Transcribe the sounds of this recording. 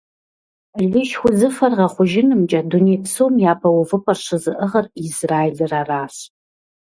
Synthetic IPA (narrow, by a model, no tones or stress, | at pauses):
ɮɪʃxʷʊzɨfɐrʁɐχʷʊʒɪnɨmt͡ʃʼɐdunejpʰsowmjaːpʰɐwʊvɨpʰʼɐrʂɨzɨʔəʁɐrizraːjelɨraraːs